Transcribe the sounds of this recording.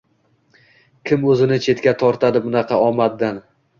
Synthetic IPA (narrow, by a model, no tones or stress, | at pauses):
kʲʰɪmɵzɪnɪt͡ʃʰe̞t̪kʲat̪ʰɒɾt̪ʰad̪ɪbʊnɑqʰɑɒmad̪ːan